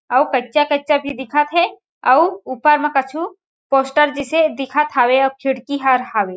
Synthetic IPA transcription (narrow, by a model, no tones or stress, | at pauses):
ɐwkɐtːt͡ʃakɐt͡ʃabʱid̪ɪkʰət̪ɦɛ | ɐwupəɾmẽkɐt͡ʃʰu | poːsʈəɾd͡ʒised̪ɪkʰət̪ɦaːweɐkʰɪɽkiɦaɾɦaːʋe